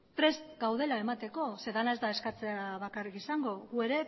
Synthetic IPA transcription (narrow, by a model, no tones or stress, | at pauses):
pɾe̞st̪ɡawð̞e̞lae̞mat̪e̞ko̞se̞ðanae̞zd̪ae̞skat͡se̞aβakarikisaŋɡo̞ɣue̞ɾe̞